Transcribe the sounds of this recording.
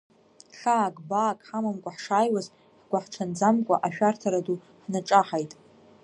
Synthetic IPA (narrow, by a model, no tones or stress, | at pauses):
ɬaːkʼbaːkʼħamamkʷʼaħʂaːjwaz | ħɡʷaħʈ͡ʂʰand͡zamkʷʼa̰ʔaʃᶣartʰaɾadu | ħnaʈ͡ʂʼaħajtʼ